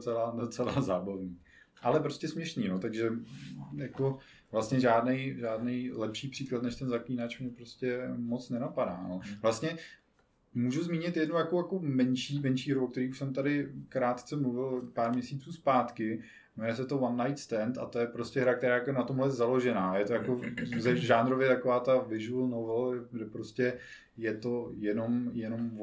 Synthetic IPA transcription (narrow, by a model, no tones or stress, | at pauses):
t͡sɛladot͡sɛlaːzaːbavɲiː | ʔalɛpɾo̞scɛsmɲɛʃniːnot̪aɡʒɛjako | vlast̪ɲɛʒaːdnɛjʒaːdnɛjlɛpʃiːpr̥iːklat̪nɛʃt̪ɛnzakliːnat͡ʃmɲɛpɾoscɛmo̞t͡snɛnapadaːno̞vlast̪ɲɛ | muːʒuzmiːɲɪt̪jɛdnujakojako̞mɛnʃiːmɛnʃiːɦɾuokt̪ɛɾiːuʃsɛmt̪adɪkɾaːt̪t͡sɛmluvɪlpaːɾmɲɛsiːt͡suːspaːt̪kɪ | mujɛs̬ɛt̪ovanːajt̪st̪ɛnt̪a̰t̪o̞jɛpɾo̞scɛɦɾak̚t̪ɛɾaːjakojɛnat̪omɦlɛzalo̞ʒɛnaːjɛt̪ojako̞zɛʒaːnɾovjɛt̪akovaːt̪avɪʒuɛlnovɛlɛɡdɛpɾoscɛ | jɛt̪ojɛno̞mjɛno̞m